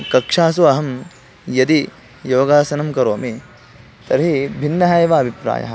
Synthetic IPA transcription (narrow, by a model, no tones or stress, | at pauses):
kɐkʂaːs̬uɐɦɐm | jɐd̪i | joːɡaːsɐnɐmkɐɾoːmi | t̪ɐɾɦibʱinːɐɦɐjʋaɐbʱipɾa̰ːjɐ̰ɦɐ̰